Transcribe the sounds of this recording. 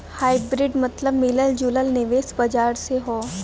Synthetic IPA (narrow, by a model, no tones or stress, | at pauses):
haːɪbɾɪɖmɐt̪ləbmɪləld͡ʒuləlnɪʋeːsbɐd͡ʒaːɾseɦoː